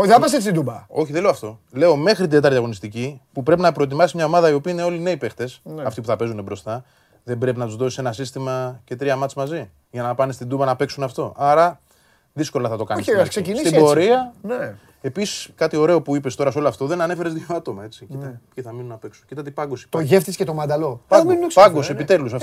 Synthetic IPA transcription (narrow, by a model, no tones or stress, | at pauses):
ðɐpɐsesid̪ubɐo̞çiðele̞oɐft̪o̞le̞ome̞xɾit̪id̪et̪ɐɾðiɐɣo̞nist̪icipupɾe̞pinɐpɾo̞et̪̬imɐsimɲɐo̞mɐðɐio̞piːine̞o̞line̞ipe̞xt̪e̞snɐft̪ipuθɐpe̞zunebɾo̞st̪ɐ | ðembɾe̞pinɐt̪uzðo̞sise̞nɐsist̪imɐce̞t̪ɾiɐmɐt͡simɐzi | ʝɐnɐpɐnest̪ind̪ubɐnɐpe̞ksunɐft̪o̞ʔɐɾɐ | ðisko̞lɐθɐt̪o̞kɐnniskseinisibo̞ɾiɐne | e̞pisi̥skɐt̪io̞ɾe̞o̞puipe̞st̪o̞ɾɐso̞loɐft̪o̞ðe̞nɐne̞feɾe̞zðjoɐt̪o̞mɐe̞t͡sicit̪ɐpçiθɐminunɐpe̞ksuncit̪ɐt̪ibɐŋɡosi̥t̪oʝeft̪iscet̪omɐnd̪ɐlominpɐŋɡosiepit̪e̞lusf